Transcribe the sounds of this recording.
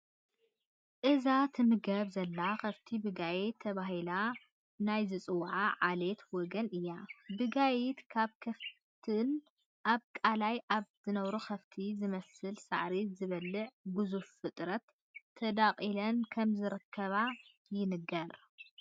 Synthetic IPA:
ʔɨzat̪ʰɨmɨɡɐβzɐlːaxɐft̪ʰibɨɡajit̪ʰːɐβaɦila | najzɨt͡sʼɨwʕaʕalet̪wɔɡɐnɨjːabɨɡajɪt̪kʰaβkʰɐf | t̪ʰɨn | ʔaβkʼalajʔaβzɨnɐβɾukʰɐft̪ʰizɨmɐsɨlsa̰ʕɾizɨβɐlːɨʕɡuzuffɨt̪ʼɾɐt̪ʰː | ɐd̪aqʼilɐnkʰɐmzɨɾɨkʰːɐβa | jɪnɨɡɐɾ

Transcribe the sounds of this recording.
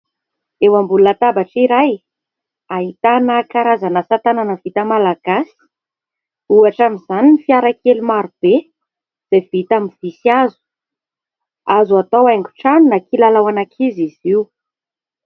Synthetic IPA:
ewambulunat̪abaʈ͡ʂiɾaj | aɦit̪anəkaɾazanəsat̪ananəvit̪əmalaɡ̥asi̥ | uaʈ͡ʂamizaninifiaɾakelumaɾub̥e | z̥evit̪aminv̥isiazu̥ | azuat̪awajŋɡu̥ʈ͡ʂanunakilalawanakʰiziziu

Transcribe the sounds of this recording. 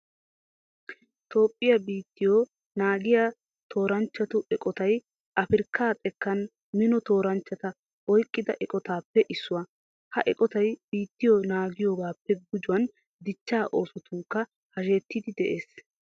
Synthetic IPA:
t̪o̞ːpʼːɪjabiːt̪ːɪjo | naːɡɪjaː | t̪ʰo̞ːɾɐnt͡ʃːɐt̪ʊʔɛkʼɔt̪ɐj | ʔɐfɪɾkːaːt̪ʼɛkːɐn | mɪnɔt̪o̞ːɾɐnt͡ʃːɐt̪ɐ | ɔjkʼːɪd̪ɐʔɛkʼɔt̪aːpːɛʔɪsːʊwɐ | hɐʔɛkʼɔt̪ɐjb̥iːt̪ːɪjonaːɡɪjoːɡaːpːɛɡʊd͡ʒʊwɐn | d̪ɪt͡ʃːaːʔo̞ːsɔt̪ʊŋkːɐ | hɐʃe̞ːt̪ːɪd̪ɪd̪ɛʔe̞ːs

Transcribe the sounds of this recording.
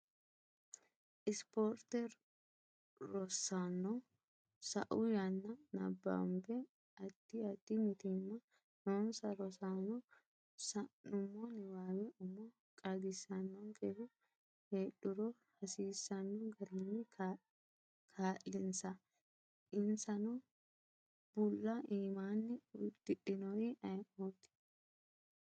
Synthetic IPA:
ʔɪspoːɾt̪ɛɾ | ɾɔsanːɔ | sɐʔʊjɐnːɐnɐ̰bːa̰mbɛ | ɐt̪ːɪɐt̪ːɪmɪt̪ɪmːɐ | noːnsɐɾɔsanɔ | sɐnʊmːɔnɪwaːwɛʔʊmɔ | kʼɐɡɪsːɐnːɔŋkʼɛhʊ | heːɗːʊɾɔ | hɐsiːsːɐnːɔɡɐɾɪnːɪ | kʰaːʔɪnsɐ | ɪnsɐnɔ | b̥ʊlːɐʔiːmaːnːɪʊt̪ːɪɗɪnɔjɐjoːt̪ːɪ̥

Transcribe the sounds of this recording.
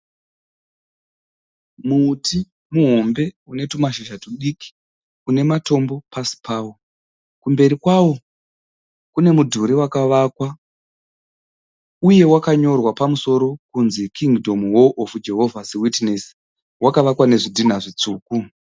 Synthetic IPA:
muːti | muɦo̞mbe̞une̞tumaʃiʒatuɗiki̥ | une̞mato̞mbo̞pasi̥pʰaːwo̞ | kumbe̞ɾikwawo̞ | kune̞mudʱuɾiwakaʋakwa | uje̞wakaɲo̞rwapamuso̞ɾo̞kunzikʰiŋɡdʱo̞mwoʔːfud͡ʒe̞ɦo̞vʱasiwitnesi̥ | wakaʋakwane̞ʐidʱin̤aʐit͡suːku

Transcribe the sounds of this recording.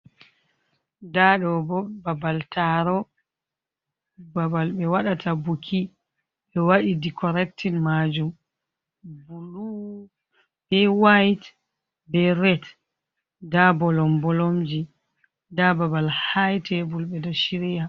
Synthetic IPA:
daɗɔbɔbabaltaɾɔ | babalɓɛwaɗatʰabukʰi | ɓɛwaɗidikʰɔɾɛk̚tʰinmad͡ʒum | bulu | b̥ɛwajt | bɛɾɛt | dabɔlɔmbɔlomd͡ʒi | dababalhajtʰɛbulɓɛdɔʃiɾija

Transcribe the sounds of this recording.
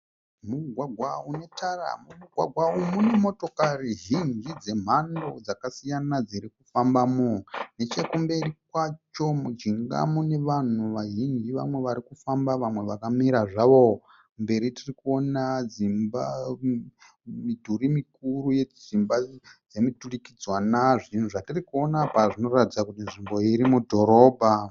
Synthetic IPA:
muɡʱwaɡʱwaune̞tʰara̰muuɡʱwaɡʱwaumune̞mo̞to̞kariɦind͡ʒid͡ze̞m̤ando̞d͡zakasijanad͡ziɾikufambamone̞t͡ʃe̞kumbe̞rikwat͡ʃo̞mud͡ʒiŋɡa̰mone̞ʋan̤uʋaʒind͡ʒiʋa̰mwe̞ʋaɾikufambaʋamwe̞ʋakamiɾaʐaʋo̞ | mbe̞ɾitirikuo̞nad͡zimba | midʱuɾimikuɾujed͡zimbad͡zemitulikid͡zwanaʐin̤uʐatirikuo̞napaʐino̞ratid͡zakutinʐimbo̞iɾimudʱo̞ɾo̞ːbʱa

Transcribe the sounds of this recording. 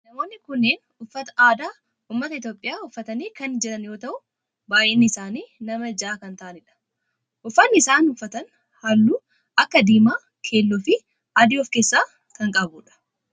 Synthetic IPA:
nɐmo̞ːnːɪkʊnːeːn | ʊfːɐt̪ɐ̥ʔaːd̪aː | uːmːɐt̪ɐɪt̪jo̞ːpʼːɪjaːʊfːɐt̪ɐniːkɐnd͡ʒɛɾɐnjo̞ːt̪ɐʔʊ | baːjʔeːnːɪɪsaːniːnɐmɐd͡ʒaːkɐnt̪ɐʔɐnɪᶑɐ̥ | ʔʊfːɐnːɪsaːnʊfːɐt̪ɐn | hɐlːuː | ɐkːɐd̪iːmaː | kʰe̞ːlːɔfɪ | ʔad̪iːɔfke̞ːsːaː | kɐŋkʼɐbuːᶑɐ̥

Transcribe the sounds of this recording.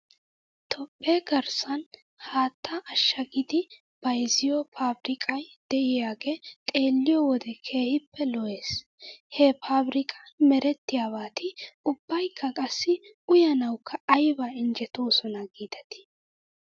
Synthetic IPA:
t̪ʰɔpʼːe̞ːɡɐɾsɐn | haːt̪ʰːaʔɐʃːɐɡɪd̪ɪ | b̥ɐjzɪjɔpʰaːbɾɪkʼɐjd̪̥ɛʔɪjaːɡe̞ːt̪ʼe̞ːlːɪjɔwɔd̪ɛkʰe̞ːhɪpːɛlɔʔe̞ːs | hɛpaːbɾɪkʼɐ̥mɛɾɛt̪ːɪjaːβaːt̪ʰɪʊbːɐjkʰːɐkʼɐsːɪʊjɐnɐwkʰːɐɐjbaɪnd͡ʒɛt̪oːsɔnɐɡiːd̪ɐt̪ɪ̥

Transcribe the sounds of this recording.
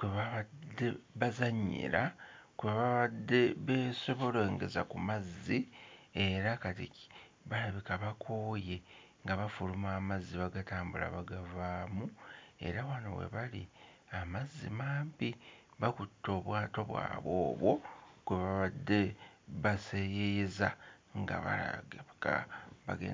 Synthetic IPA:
kweβaβadːe̞βazaɲːḭɾakweβaβaβadːe̞βeːso̞βo̞le̞ːŋɡe̞̰za̰kumazːie̞ɾakati | βalaβikaβakʰoːje̞ | ŋɡaβafulumaːmazːiβaɡataːmbula̰βaɡavaːmue̞̰ɾawano̰we̞̰βalḭamazːḭmaːmpiβakutːo̞ːβwaːto̞βwa̰ːβwo̞̰ːβwo̞kweβaβadːe̞βasejejezaŋɡa̰βa̰a̰ka̰βa̰ɡḛ

